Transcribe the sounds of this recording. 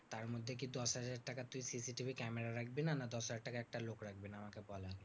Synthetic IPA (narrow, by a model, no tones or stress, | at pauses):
t̪aɾmod̪ʱːek̬id̪ɔsɦad͡ʑaɾʈakat̪ujsisiʈibʱikɛmeɾaɾak̚ʰbinanad̪ɔsɦad͡ʑaɾʈakaɛk̚ʈalokɾak̚ʰbinaamakebɔla